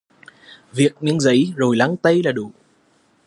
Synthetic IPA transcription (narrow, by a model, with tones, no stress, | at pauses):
vi˨˩ək̚ɲɨ̰˧˥ŋzə˨˦jzo˨˩jla˨˦ŋt̪ə˧jlaː˨˩ɗṵ˧˩